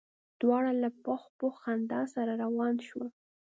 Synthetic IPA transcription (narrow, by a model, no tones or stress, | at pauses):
d̪̥wɑɽalapaxpoxand̪ɑsaɾaɾawɑnʃwa